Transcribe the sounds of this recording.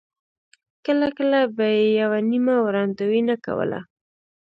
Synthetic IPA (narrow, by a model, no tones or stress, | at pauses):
kəlakəlabajejawanimawɾɑnd̪awinaka̰wə̰la̰